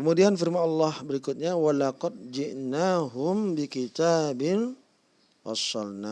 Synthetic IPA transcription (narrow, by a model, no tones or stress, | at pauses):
kəmudianfɪrmanɑlːɑhbəɾikʊt̪̚ɲawalaqɔd̪̚d͡ʒɪʔnaɦʊmbikit̪aːbɪn | fɑ̰sːɑlna